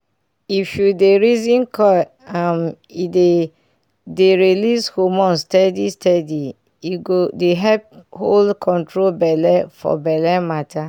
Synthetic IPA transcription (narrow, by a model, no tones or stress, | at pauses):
ifjudeɹizĩnkɔ | am | ide | deɹilishomɔ̃nstɛdistʰɛdi | iɡodeɦɛp̚holdkʰɔ̃ntɹobɛlɛfɔ̰bɛlɛmatʰa